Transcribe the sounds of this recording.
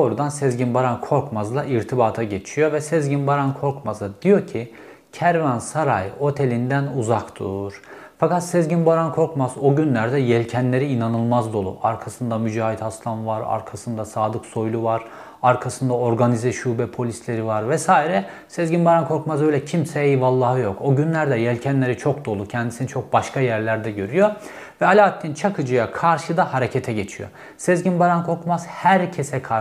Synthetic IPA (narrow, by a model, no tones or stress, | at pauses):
oːɾud̪ansɛzɟinbaɾankʰo̞ɾkmazlˠaʔiɾt̪ʰibaːt̪ʰaɟe̞t͡ʃʰijo̞vɛsɛzɟinbaɾankʰo̞ɾkmazˠad̪ijo̞cʰi | cʰæɾvænsaɾa̰jo̞t̪ʰe̞lʲind̪ænuzakt̪ʰṵɾ̥ | fakat̪sɛzɟinbaɾankʰo̞ɾkmazoɟynlʲæɾd̪ɛjɛlʲcʰɛnlʲe̞ɾiːnanɯlˠmazd̪o̞lˠṵʔaɾkʰasɯnd̪amyd͡ʒaːɦit̪ʰhaslˠamvaɾa̰ɾkʰasɯnd̪asaːd̪ɯkso̞jlˠuvaɾ̥ | aɾkʰasɯnd̪ao̞ɾɡanizɛʃuːbɛpʰo̞lʲislʲe̞ɾivaɾvɛsaːiɾɛ | sezɟinbaɾankʰo̞ɾkmazø̞jlʲɛcʰimsɛejivalˠːaːhɯjo̞ko̞ɟynlʲæɾd̪ɛjɛlʲcʰænlʲe̞ɾit͡ʃʰo̞k̚d̪o̞lˠucʰɛnd̪isinit͡ʃʰo̞k̚baʃkajæɾlʲæɾd̪ɛɟø̞ɾyjo̞ | vɛalʲaːt̪ʰːint͡ʃʰakʰɯd͡ʒɯjakʰaɾʃɯd̪ahaɾecʰet̪ʰɛɟe̞t͡ʃʰijo̰ | sezɟinbaɾankʰo̞ɾkmaz̥hæɾcʰesɛkʰa